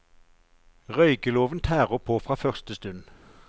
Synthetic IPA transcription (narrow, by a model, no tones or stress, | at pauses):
ʁœʏkəloːʋənt̪ʰæːʁəpʰoːfʁɑːfœʁst̪əst̪ʉn